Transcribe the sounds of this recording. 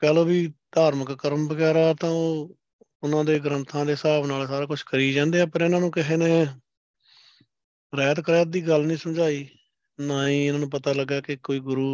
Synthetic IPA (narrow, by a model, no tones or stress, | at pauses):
pɛːloːbiːd̪ʱaːɾməkːəɾəmbəɡɛːɾaːt̪ãːoː | ʊnãːd̪eːɡɾənt̪ʰãːd̪eːɪsaːbnaːlsaːɾaːkʊt͡ʃʰkəɾiːd͡ʒãːnd̪eːaːpəɾɪnãːnũːkɪɦeːnẽː | ɾɛːt̪kəɾɛːt̪̚d̪iːɡəlnəĩːsəmd͡ʒaːiː | naːĩːɪnãːnũːpət̪aːləɡːaːkɪkoːiːɡʊɾuː